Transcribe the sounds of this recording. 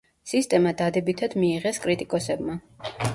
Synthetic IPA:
sist̪ʼɛmad̪ad̪ɛbit̪ʰad̪̥miːʁɛskʼɾit̪ʼikʼɔsɛbma

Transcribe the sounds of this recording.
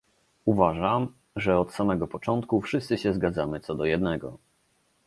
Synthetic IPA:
uvaʐam | ʐɛɔt̪samɛɡɔpɔt͡ʂɔnt̪̚kufʂɘst̪sɘɕɛzɡad̪zamɘt̪sɔd̪ɔjɛd̪nɛɡɔ̰

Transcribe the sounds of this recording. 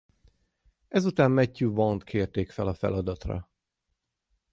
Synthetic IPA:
ɛzut̪aːmmɛcːuvɒnt̪kʰeːrt̪eːkfɛlɒfɛ̰lɒd̪ɒt̪rɒ̰

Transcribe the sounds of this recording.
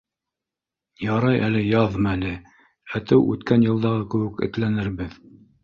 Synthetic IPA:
jɑɾɑjʔælɘjɑðmælɘ | æt̪ɘwʔʉ̰t̪kænjɤ̆lˠd̪ɑʁɤkɘ̆wɘkɘ̰̆t̪lænɘ̆ɾβɘð

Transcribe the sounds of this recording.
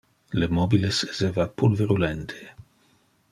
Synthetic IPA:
lemɔbilesezevapulveɾulɛnt̪ʰe̥

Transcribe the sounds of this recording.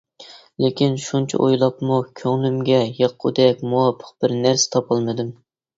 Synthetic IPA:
lekʲʰinʃunt͡ʃʰɛ̰ʔojlˠɑpmukʲʰøŋlymɡʲɛjeqʰːʊd̪ɛk̚ʲmuwɑpʰːə̥q̚b̥ɪɾnæɾsɪ̥t̪ʰɑpʰɑlˠmɨd̪ɨm

